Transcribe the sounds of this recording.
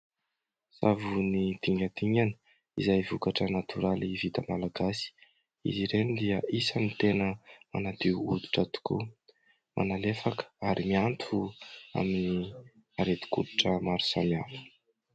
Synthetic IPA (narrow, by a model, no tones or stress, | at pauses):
savunid̪̥iŋɡad̪iŋanə̥ | ḭzajvukaʈ͡ʂənat̪ʰuɾalivit̪əmalaɡasi̥ | ḭziɾenid̪iəʔisənit̪enəmanat̪iuud̪i̥ʈ͡ʂət̪u̥kṵ | mʔa̰nalefakə̥aɾimiant̪ʰua̰mini | aɾet̪i̥kud̪iʈ͡ʂəmaɾu̥samiafə̥